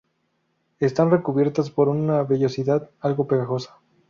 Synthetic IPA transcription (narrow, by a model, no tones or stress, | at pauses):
e̞st̪anre̞kuβje̞ɾt̪aspo̞ɾunaβe̞ʎo̞siðaðalɣo̞pe̞ɣaxo̞sḁ